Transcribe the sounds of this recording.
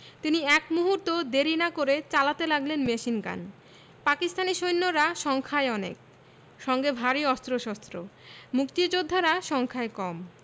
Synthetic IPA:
t̪iniɛkmuɦuɾt̪od̪eɾinakoɾet͡ɕalat̪elaɡlenmeʃinɡa̰n | pakist̪aniʃojnːoɾaʃɔŋkʰaeɔnḛk̚ | ʃɔŋɡebʱaɾiɔst̪ɾoʃɔst̪ɾomukt̪id͡ʑod̪ʱːaɾaʃɔŋkʰaekɔm

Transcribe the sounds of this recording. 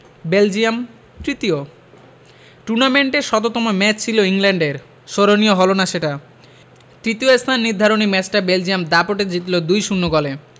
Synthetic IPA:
beld͡ʑiam | t̪ɾit̪io | ʈuɾnameɳʈeɾʃɔt̪̬ot̪ɔmomɛt͡ɕt͡ɕʰiloiŋlɛɳɖeɾ | ʃoɾonijoɦɔlonaʃeʈa | t̪ɾit̪ioest̪ʰanːid̪ʱːaɾonimɛt͡ɕʈabeld͡ʑijamd̪apoʈed͡ʑit̪lod̪ujʃunːoɡɔle

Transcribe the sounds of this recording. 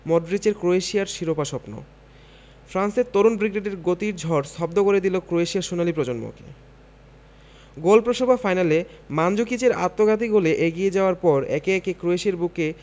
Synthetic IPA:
mɔɖɾit͡ɕeɾkɾoeʃiaɾʃiɾopaʃɔpno̰ | fʰɾanseɾt̪oɾunbɾiɡeɖeɾɡot̪iɾd͡ʑʱɔɽst̪ʰɔb̚d̪okoɾed̪ilokɾoeʃiaɾʃunalipɾɔd͡ʑonmo̰kḛ | ɡolpɾoʃobʱafajnale | mand͡ʑokit͡ɕeɾa̰t̪ːoɡʱat̪̬iɡoleʔeɡied͡ʑaoaɾpɔɾɛ̰keɛkekɾoeʃieɾbuke

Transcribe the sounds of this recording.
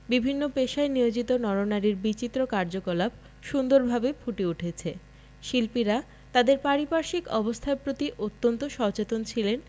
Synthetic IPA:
bibʱinːopeʃaenijod͡ʑit̪onɔɾonaɾiɾbit͡ɕit̪ːɾokaɾd͡ʑokolab | ʃund̪oɾbʱabefʰuʈeuʈʰet͡ɕʰe | ʃilpiɾa | t̪ad̪eɾpaɾipaɾʃikɔbost̪ʰaepɾot̪iʔot̪ːont̪oʃɔt͡ɕet̪ont͡ɕʰilen

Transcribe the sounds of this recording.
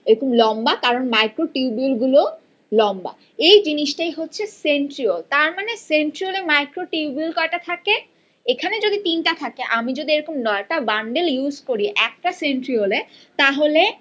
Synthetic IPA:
eɾokomlɔmbakaɾonmajkɾoʈiubiolɡulo | lɔmba̰ | ejd͡ʑiniʃʈajɦotːɕʰesenʈɾiolt̪aɾmaneseɳʈɾiolemajkɾoʈiubiulkɔeʈat̪ʰake | ekʰaned͡ʑod̪it̪inʈat̪ʰakeʔamid͡ʑod̪ieɾokomnɔʈabaɳɖeljuzkoɾiʔɛk̚ʈaseɳʈɾiolet̪aɦole

